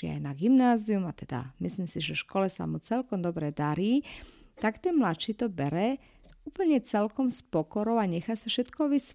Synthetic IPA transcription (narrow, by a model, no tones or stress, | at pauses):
ia̰jnaɡimnaːziumat̪ɛd̪a̰misliːmsiʒɛfʃkɔlɛsa̰mut͡sɛlkɔmd̪ɔbɾɛd̪aɾiː | t̪akt̪ɛnmlat͡ʃit̪ɔbɛɾɛ | uːpl̩ɲɛt͡sɛlkɔmspɔkɔɾɔʊaɲɛxasafʃɛt̪kɔʋis